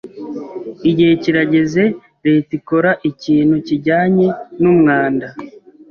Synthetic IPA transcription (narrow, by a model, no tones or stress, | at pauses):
iɟiheciɾaɟe̞ze̞ | ɾe̞ːtiko̞ɾaʔiciːnhuciɟaːɲe̞numŋaːnda